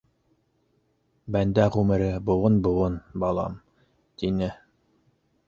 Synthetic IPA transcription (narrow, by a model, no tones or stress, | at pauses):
bænd̪æʁʉmɘ̆ɾɘbŏwɤnbŏwɤnbɑlˠɑ̰m | t̪inɘ